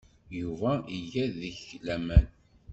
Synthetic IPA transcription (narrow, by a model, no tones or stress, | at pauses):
juvæʔiʝæðəçlæmæn